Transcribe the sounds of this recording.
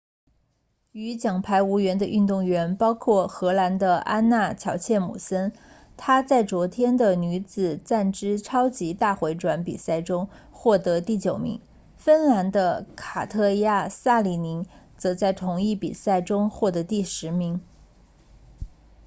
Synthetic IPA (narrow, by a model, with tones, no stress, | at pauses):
y˧˥t͡ɕjɑ˨˩ŋpʰa˧˥ɪu˧˥ɥɛ˧˥nd̪ə˧ʔy˥˧nt̪ʊ˥˩ŋɥɛ˧˥npɑ˥ʊkʰwɔ˥˩xɤ˧˥la˧˥nd̪ə˧ʔa˥nna˥˩t͡ɕʰjɑ˧˥ʊt͡ɕʰjɛ˥˩nmṵ˨˩sə˥n | t̪ʰa˥t͡sa˥˩ɪt͡swɔ˧˥t̪ʰjɛ˥nd̪ə˨ny˧˥t͡sɹ̩˨˩t͡sa˥˩nʈ͡ʂɻ̩˥ʈ͡ʂʰɑ˥ʊt͡ɕi˧˥t̪a˥˩xwe˧˥ɪʈ͡ʂwa˧˥npḭ˨˩sa˥˩ɪʈ͡ʂʊ˥ŋ | xwɔ˥˩t̪ɤ˧˥t̪i˥˩t͡ɕjo˨˩ʊmḭ˧˥ŋ | fə˥nla˧˥nd̪ə˧kʰa˨˩t̪ʰɤ˥˧ja˥˩sa˥˩li˨˩ni˧˥ŋ | t͡sɤ˧˥t͡sa˥˩ɪt̪ʰʊ˧˥ŋi˥˩pḭ˨˩sa˥˩ɪʈ͡ʂʊ˥ŋxwɔ˥˩t̪ɤ˧˥t̪i˥˩ʂɻ̩˧˥mi˧˥ŋ